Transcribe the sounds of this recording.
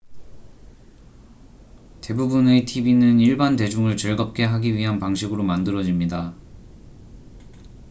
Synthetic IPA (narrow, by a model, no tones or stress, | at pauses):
te̞bubunetʰibinɯniɭbante̞d͡ʑuŋɯɭt͡ɕʌɭɡʌp̚k͈e̞ɦaɡiɥiɦanpaŋɕʰiɡɯɾomandɯɾʌd͡ʑimɲida